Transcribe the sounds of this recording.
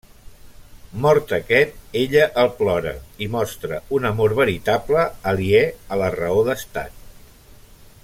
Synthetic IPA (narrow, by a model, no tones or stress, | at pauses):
mɔɾt̪əkɛt̪̚eʎəʔəlˠplɔɾə̰imɔst̪ɾəunəmoɾβəɾit̪apləːliɛələrəoðəst̪a̰t̪̚